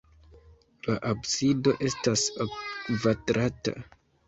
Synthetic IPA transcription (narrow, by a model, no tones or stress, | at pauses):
laʔabsido̞ʔe̞stasakvadɾata̰